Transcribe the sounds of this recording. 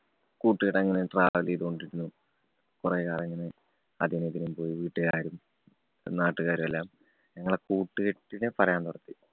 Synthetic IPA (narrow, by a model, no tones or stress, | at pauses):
kuːʈːɨɣiʈːɐŋːɐneʈra̰ːʋɐliðuo̞ɳɖiɾunːu | kureːkaːreŋːɐne̞ | ɐd̪ʱinet̪ːinumpo̞ːjiʋiːʈːɨɣaːɾum | naːʈːuɣaːɾumelːaːm | ɲɐŋːɐɭkuːʈːɨɣiʈːinepɐrɐjaːnt̪urɐt̪ːi